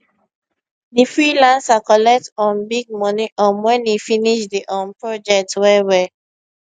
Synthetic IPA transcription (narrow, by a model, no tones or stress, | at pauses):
difɹilãnsakɔlɛk̚tɔ̃nbiɡ̚mɔniʔãnwɛ̃nifiniʃdiʔɔ̃npɹɔd͡ʒɛk̚twɛwɛ